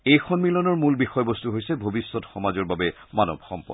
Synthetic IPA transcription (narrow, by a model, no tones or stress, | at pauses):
ejxʰɔnmilɔnɔɹmulbixɔjbɔstuɦojsɛbʱobisːɔtxɔmazɔɹbabɛmanɔ̰bʱxɔ̰mpɔ̰